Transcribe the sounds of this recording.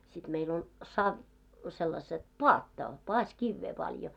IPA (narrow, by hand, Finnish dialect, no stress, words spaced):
sit meil olʲ sɑʋ selːɑset poɑtːɑ poɑsʲkiʋːeː pɑljo